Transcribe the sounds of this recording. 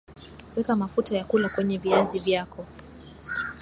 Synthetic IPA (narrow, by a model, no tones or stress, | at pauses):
wɛkamafutajakulakwɛɲɛviazivjakɔ